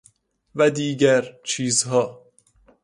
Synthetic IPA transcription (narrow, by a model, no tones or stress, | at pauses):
væd̪iːɟæɾt͡ʃʰiːzhɒː